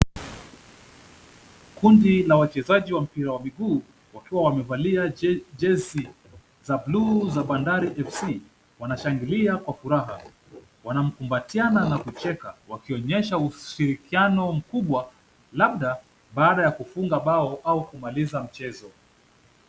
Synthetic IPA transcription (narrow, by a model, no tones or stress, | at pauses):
kundilawat͡ʃɛzaʄiwam̩piɾawamiɠuː | wakiwawamɛvaliaʄɛsi | zabluzaɓandaɾiʔɛfsi | wanaʃaŋɡiliakwafuɾaɦa̰ | wanam̩kumbatiananakut͡ʃɛkawakiɔɲɛʃauʃiɾikianɔm̩kuɓwa | laɓɗa | ɓaːɗajakufuŋɡaɓaɔʔaukumalizam̩t͡ʃɛzɔ